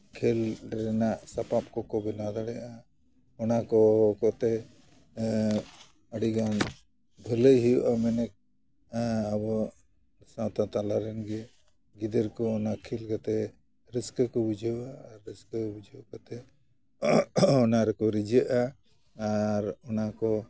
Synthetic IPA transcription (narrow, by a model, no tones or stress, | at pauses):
kʰelɾɛnaʔsapap̚kɔkɔbɛnad̪aɽɛʔa | ɔnakɔkɔt̪ɛ | əɽiɡan | bʱələjɦiuʔamɛnɛk̚ | abɔ | sãt̪at̪alaɾɛnɡɛ | ɡid̪əɾkɔːnakʰilkɔt̪ɛ | ɾiskəkɔbud͡ʒʱəaːɾːiskəbud͡ʒʱəkɔt̪ɛ | ɔnaɾɛkɔɾid͡ʒəʔaː | ɾɔnakɔ